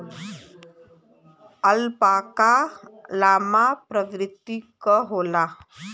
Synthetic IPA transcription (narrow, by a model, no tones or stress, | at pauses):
əlpakalaːmapɾəʋɾɪt̪ːikəɦoːla